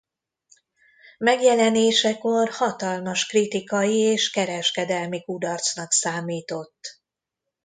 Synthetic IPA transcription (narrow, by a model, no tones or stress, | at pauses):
mɛɡjɛlɛneːʃɛko̞rhɒt̪ɒlmɒʃkrit̪ikɒjieːʃkɛɾɛʃkɛd̪ɛlmikud̪ɒrt̪snɒksaːmiːt̪o̞t̪ː